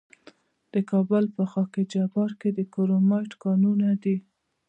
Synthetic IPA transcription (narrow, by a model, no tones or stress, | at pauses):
d̪̥əkɑbʊlpəxɑked͡ʒabɑɾked̪əkoɾomɑjʈkɑnunad̪i